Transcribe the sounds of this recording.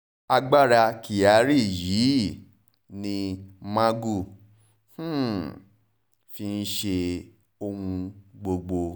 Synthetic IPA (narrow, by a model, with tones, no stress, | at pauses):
a˧ɡ͡ba˦˨ɾa˧ki˨a˨˦ɾi˦˨ji˨˦ | nĩ˧mã˦ɡu˦˨ | h̩˦ | fi˧n̩˦ʃe˧ | o˧hũ˧ɡ͡bo˧ɡ͡bo˧